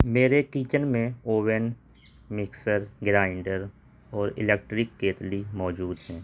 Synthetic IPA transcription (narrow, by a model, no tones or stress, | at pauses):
meːɾekiːt͡ʃənmẽoːʋən | mɪksəɾɡɾaːɪɳɖəɾ | ɔːɾɪ̰leːk̚ʈɾɪkːeːt̪limɔːd͡ʒuːd̪ɦɛ̃ː